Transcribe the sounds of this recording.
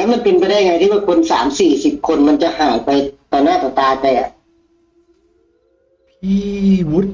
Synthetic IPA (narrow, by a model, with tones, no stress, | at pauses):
ma˧˨npe˧npa˧jda˥˩ja˨ŋa˧t̪ʰiː˥˩waː˥˩kʰo˧nsa̰ː˩˦msiː˨˩si˨˩p̚kʰo˧nma˧nt͡ɕa˨ʔhaː˨˩˦jpa˧jt̪ɔː˨˩naː˥˩t̪ɔː˨˩t̪aː˧p̪a˧˩jʔa̰˨˩ | pʰiː˧wu˦˥t̪̚